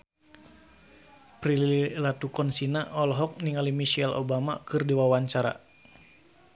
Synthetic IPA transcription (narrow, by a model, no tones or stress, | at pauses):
pɾiliilat̪ukɔnsinaʔɔlɦɔk̚niŋalimiʃɛlo̰bama̰kɨrdiwawaɲt͡ʃaɾa̰